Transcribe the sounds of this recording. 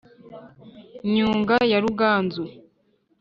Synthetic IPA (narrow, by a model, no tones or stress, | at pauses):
ɲuːŋɡajaɾuɡaːnzu